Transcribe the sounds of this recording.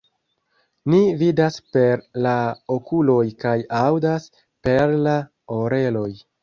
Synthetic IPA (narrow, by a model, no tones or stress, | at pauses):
nividaspe̞ɾlaokulo̞jkajawdas | pe̞ɾla | oɾe̞lo̞j